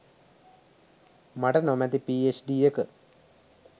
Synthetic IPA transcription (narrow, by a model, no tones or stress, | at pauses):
maʈənomæt̪ipiːet͡ʃɖiːekə